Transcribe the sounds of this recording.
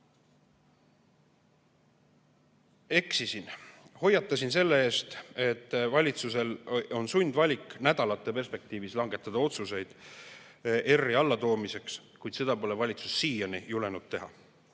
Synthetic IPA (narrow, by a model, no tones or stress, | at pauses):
e̞ksisinho̞jːɑt̪ːˑɑsinse̞lːe̞e̞ːst̪e̞t̪ːˑvɑlʲit̪suse̞lo̞nsunʲd̪vɑlʲikːˑnæd̪̥ɑlɑt̪ːˑe̞pe̞rspe̞k̚t̪iːvislɑŋɡe̞t̪ːˑɑd̪̥ɑo̞t̪suse̞jd̪̥ | e̞rːiɑlːɑt̪o̞ːmise̞kskujd̪se̞d̪̥ɑpo̞le̞vɑlʲit̪susːiːjɑnijule̞nud̪̥̚t̪e̞ɦɑ̰